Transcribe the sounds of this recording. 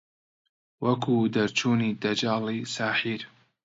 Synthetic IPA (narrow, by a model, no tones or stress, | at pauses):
wɐkʰuːd̪ɐɾt͡ʃʰuːniːd̪ɐd͡ʒaːlisaːħiːɾ